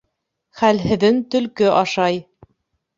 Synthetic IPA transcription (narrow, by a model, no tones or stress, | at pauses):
χælɦɘ̆ðɘnt̪ɵ̆lkɵʔɑʃɑj